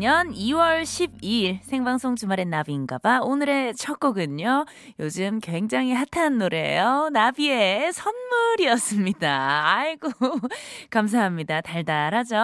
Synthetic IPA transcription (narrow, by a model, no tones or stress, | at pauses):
ɲʌniwʌɭɕʰib̚iɭsʰe̞ŋbaŋs͈ʰoŋd͡ʑumaɾenːabinɡabaonɯɾe̞t͡ɕʰʌk͈ʌɡɯɲo | jod͡ʑɯmkwe̞ŋd͡ʑaŋɦiɦatʰanːoɾe̞̰jonabie̞sʰʌnmuɾiʌs͈ɯmɲidaːɭɡo | kams̬ʰaɦamɲidataɭdaɾɦad͡ʑo